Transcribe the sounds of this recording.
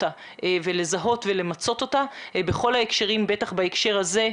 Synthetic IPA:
a | vele̞zaɦo̞tve̞le̞mat͡so̞t̪o̞tabeχo̞lhaekʃeʁimbe̞taχbaekʃe̞ʁaze̞

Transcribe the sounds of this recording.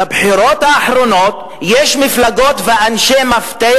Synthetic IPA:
abħiɾo̞t̪haːħɾo̞no̞t̪ | jeʃmiflaɡo̞t̪veʔanʃemaft̪e

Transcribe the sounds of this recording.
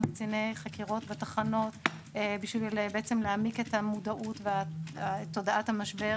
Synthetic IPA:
bit͡sinejχakiʁo̞tvetaχano̞t | biʃvilbeet͡semleamiketamudaʔutveaatːo̞daʔathamaʃbe̞

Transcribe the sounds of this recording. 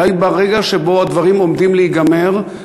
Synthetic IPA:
ajbaʁeɡaʃebo̞ad̪vaʁimo̞md̪imleiɡameʁ

